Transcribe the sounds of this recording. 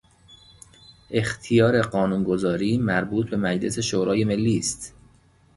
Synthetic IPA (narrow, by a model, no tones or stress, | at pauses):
ʔe̞xt̪ʰijɒːɾe̞ɢɒːnuːnɡo̞zɒːɾiːmæɾbuːt̪̚ʰbe̞mæd͡ʒle̞se̞ʃoːɾʔɒːje̞me̞lːiːst̪